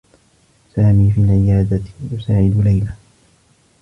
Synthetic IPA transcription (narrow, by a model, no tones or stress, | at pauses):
saːmiːfiːlʕɪjaːd̪ajʊsaːʕɪd̪ʊlajla